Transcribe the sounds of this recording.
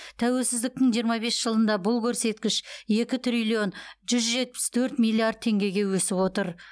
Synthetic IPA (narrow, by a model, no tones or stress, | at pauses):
t̪ʰæwe̞lsɪzd̪ɪk̚t̪ɪŋʒijəɾmɑbe̞sʒ̥əlˠənd̪ɑbʊlˠkʲʰɵɾse̞t̪kʲɪʃje̞kʲɪt̪ʰɾilʲio̞nʒʏzʒe̞t̪̚pɪ̥st̪ʰɵɾt̪mʲijlʲˠiard̪̚t̪ʰe̞ŋɡʲe̞ɡʲe̞wɵsɪpwo̞t̪əɾ